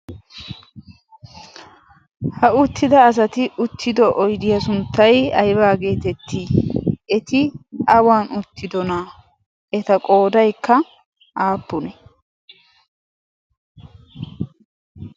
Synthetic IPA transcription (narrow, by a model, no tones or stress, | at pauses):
hɐʊt̪ːɪd̪ɐːs̬ɐt̪ɪʔʊt̪ʰːɪd̪ɔʔɔjd̪ɪjɐs̬ʊnt̪ːɐjɐ̰jbaːɡe̞ːt̪ɛt̪ʰːɪɛt̪ɪɐwaːnʊt̪ːɪd̪ɔna | ɛt̪ɐkʼo̞ːd̪ɐjkʰːɐ | ʔaːpːʊnɛ